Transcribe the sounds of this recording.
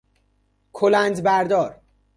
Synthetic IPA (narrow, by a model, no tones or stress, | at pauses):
kʰolænd̪bæɾd̪ɒːɾ